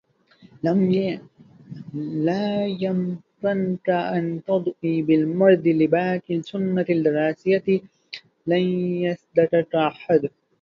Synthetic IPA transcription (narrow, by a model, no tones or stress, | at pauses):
am | laːjamkankaʔant̪ɑd̪ˤʔiːbɪlmɑɾˤd̪ɪlɪbaːkɪlsʊnːat̪ld̪ɪɾˤɑːsɪjat̪ | lanjasd̪at̪akʔaħad̪